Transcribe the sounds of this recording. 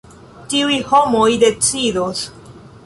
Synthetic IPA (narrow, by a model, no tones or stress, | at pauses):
tiujhomojde̞t͡sidos